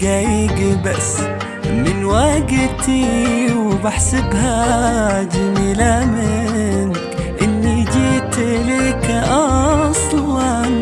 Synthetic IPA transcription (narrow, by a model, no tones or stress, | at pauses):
ɡajɡbasː | mɪnwaɡt̪iwɪbaħsɪbha | d͡ʒamiːlamɪnkʔɪnːid͡ʒiːt̪lekaʔɑsˤlɑn